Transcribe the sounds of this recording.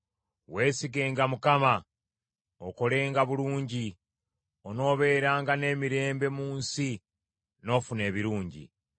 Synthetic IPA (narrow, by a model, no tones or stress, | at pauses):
we̞ːsiɡe̞ːŋɡamukama | o̰ko̞le̞ːŋɡaβuluːɲɟi | ono̞ːβe̞ːɾaːŋɡane̞ːmiɾe̞ːmbe̞muːnsi | no̞ːfune̞ːβiɾuːɲɟḭ